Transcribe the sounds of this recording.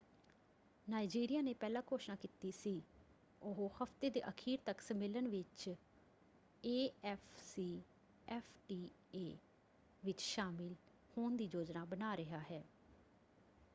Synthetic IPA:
naːid͡ʒiːɾɪjaːneːpɛːlãːkoːʃnaːkiːt̪iːsiː | ʊɦohəpʰt̪eːd̪ḛːʔəkʰiːɾt̪əksəmɪlənʋɪt͡ʃ | eːɛːfʰsiː | ɛːfʰʈiː | eː | ʋɪt͡ʃʃaːmɪl | hoːnd̪iːd͡ʒoːd͡ʒnaːbənaːɾɪɦaːɦɛː

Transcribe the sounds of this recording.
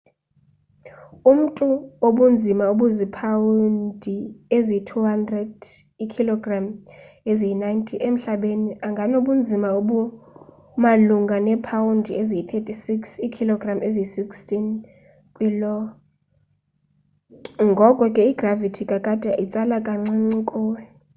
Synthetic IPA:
um̩tʼuoɓund͡zʱimauɓuzipʰawundʱiezitʰuɦandrɛd | kʰilɔɡram | ezinajntʰʼiʔem̩ɬaɓeniaŋɡʱanoɓund͡zʱimauɓu | maluŋɡʱanɛpʰawundʱiezijit̪ʰetʼisiksikʰilɔɡramezisikstʰʼin | kʼwilɔ | ŋɡʱɔkʼɔkʼɛiɡ̥ravitʰikʼakʼad̥ʼʱɛʔit͡sʼalakʼaŋ͡ǀiŋ͡ǀikʼɔːɛ

